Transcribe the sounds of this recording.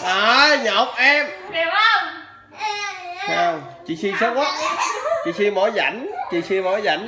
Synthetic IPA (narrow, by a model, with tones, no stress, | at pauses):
ʔaː˨ɲə˨˩wk͡p̚ʔɛ˧m | saː˧w | t͡ɕḭ˧˨si˧sa˦˥wka˦˥t̚t͡ɕḭ˧˨si˧mo˧˨˦jza̰˧˩˦ŋt͡ɕḭ˧˨si˧mo˧˦jza̰˧˩jŋ